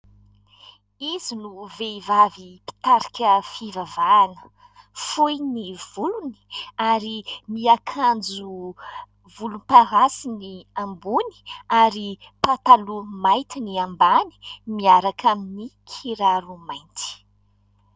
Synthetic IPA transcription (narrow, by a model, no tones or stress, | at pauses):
izinuveivavipi̥t̪aɾakʲəfivavanə̥ | fujniv̥uluni̥aɾimiakʰand͡ʒu | vulunipaɦasiniambuni̥aɾi | pat̪alumajt̪iniambani̥miaɾakʰaminikʰiɾaɾumajnt̪i̥